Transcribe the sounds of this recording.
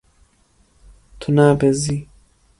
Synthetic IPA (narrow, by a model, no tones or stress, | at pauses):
t̪ʰunaːbezi